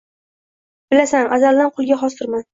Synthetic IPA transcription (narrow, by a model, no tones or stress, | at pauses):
b̥ɪlasanʔazald̪anqʰʊlˠɡʲaɦɒst̪ɪɾman